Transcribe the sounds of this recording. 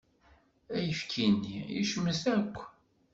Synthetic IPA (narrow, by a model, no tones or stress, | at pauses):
æjəfkʰinːiḭʃəmːəsækʷː